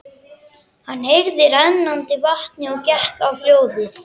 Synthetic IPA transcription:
hanːhejɾðɪɾɛnːant̪ɪvaht̪nɪɔɣcɛhkawpljoːwðɪθ

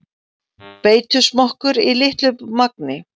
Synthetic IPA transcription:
peːjt̪ʏsmɔhkʏɾilɪht̪lʏpmak̚nɪ

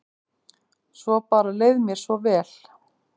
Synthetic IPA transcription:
svɔpaːɾaleːjðmjɛɾ̥svɔvɛːl̥

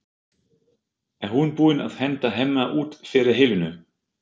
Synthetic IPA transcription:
ɛnhunpuːɪna̰ðhɛnt̪aɦejmːaʔuːt̪fɪːɾɪɾ̥ɦɪlvɪnʏ

